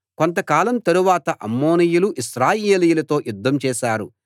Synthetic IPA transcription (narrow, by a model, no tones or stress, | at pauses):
ko̞nt̪̬ɐkaːlɐmt̪ɐɾuʋaːt̪ɐʔɐmːoːnijuluʔiʃɾaːjeːlijulɐt̪o̞ːjud̪ʱːɐmt͡ʃɛːʃaːɾu